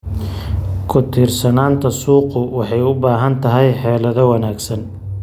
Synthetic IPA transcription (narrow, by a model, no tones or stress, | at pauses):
kʰʊt̪ʰiːrsɐnaːnt̪ʰɐsuːqʊwɑħɑjʊbaːɦɐnt̪ʰɐɦɛjħɛːlɐðɔwɐnaːɡsɐn